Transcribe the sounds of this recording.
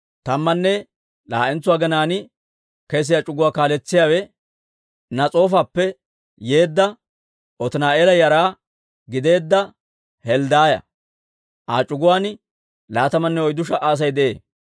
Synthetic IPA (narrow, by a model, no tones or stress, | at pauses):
t̪ɐmːɐnːɛ | la̰ːʔɛnt͡sːʊwaːɡɐnaːnɪ | kɛs̬ɪjat͡ʃʼʊɡʊwaːkaːlɛt͡sːɪjaːwɛ | nɐt͡sʼo̞ːfaːpːɛ | je̞ːd̪ːɐ | ɔt̪ɪnaːʔeːlɐjɐɾaː | ɡɪd̪e̞ːd̪ːɐ | hɛld̪aːjɐ̰ | ʔa̰ːt͡ʃʼʊɡʊwaːn | laːt̪ɐmɐnːɛɔjd̪ʊʃɐʔaːs̬ɐjd̪ɛʔḛː